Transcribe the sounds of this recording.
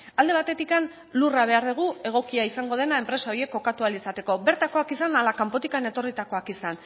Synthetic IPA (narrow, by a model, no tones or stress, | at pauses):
ald̪e̞β̞at̪e̞t̪ikan | luraβ̞e̞aɾðuɣ̞ue̞ɣ̞o̞kiaisaŋɡo̞ð̞e̞nae̞mpɾe̞sao̞jie̞kːo̞kat̪ualisat̪e̞ko̞βe̞ɾt̪ako̞akisanalakampo̞t̪ikane̞t̪o̞rit̪ako̞akisan